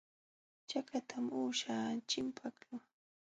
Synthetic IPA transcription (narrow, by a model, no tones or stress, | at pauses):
t͡ʃakat̪ʰamuːʃaːt͡ʃɪmpʰakʊŋ